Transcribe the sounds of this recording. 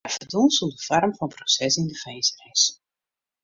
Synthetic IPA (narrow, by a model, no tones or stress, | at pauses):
fərdunˠsəlˠdəvɔrmfɔnprosɛsɪndəχeːsɛjs